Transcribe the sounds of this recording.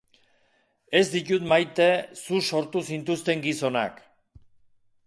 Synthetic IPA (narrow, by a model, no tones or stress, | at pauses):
e̞zd̪ic̪ut̪majt̪e̞suso̞ɾt̪usint̪ust̪e̞ŋɡiso̞na̰k